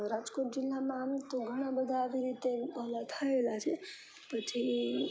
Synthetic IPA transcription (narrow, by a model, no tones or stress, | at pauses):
ɾad͡ʒkoʈ̚d͡ʒilːamamt̪oɡʱəɽ̃abəd̪ʱaəbʱiɾit̪ebəlat̪ʰəelat͡ʃʰɛ | pət͡ʃʰi